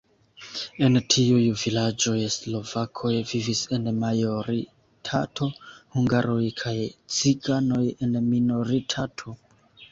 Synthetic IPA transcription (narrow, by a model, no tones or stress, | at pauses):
e̞ntʰiujvilad͡ʒo̞jeslo̞vakʰo̞jvivise̞nmajo̞ɾi | tʰatʰo̞huŋɡaɾo̞jkʰajt͡siɡano̞je̞nmino̞ɾitʰatʰo̞